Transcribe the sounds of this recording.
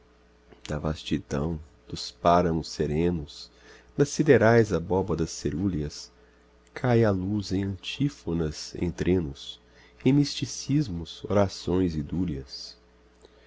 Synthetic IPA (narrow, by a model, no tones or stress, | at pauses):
d̪̥ɐvast͡ʃid̪ɐ̰̃w̃ | d̪̥ʊspaɾɐmʊseɾẽnʊs | d̪ɐsid̪eɾajzɐbɔbɐd̪ɐsːeɾuliɐs | kʰajaluzẽj̃ɐ̃t͡ʃifonɐzḛ̃j̃t̪ɾẽnʊs | ẽj̃mist͡ʃisizmʊzoɾasõj̃zɪd̪uliɐs